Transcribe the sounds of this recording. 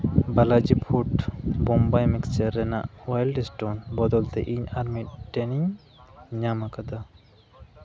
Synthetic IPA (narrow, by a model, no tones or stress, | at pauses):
balad͡ʒipʰuʈbɔmbajmikst͡ʃɛɾːɛna̰ʔwajlɖɛsʈonbɔd̪ɔlt̪ɛʔiɲaɾmiʈɛniɲ | ɲamakad̪a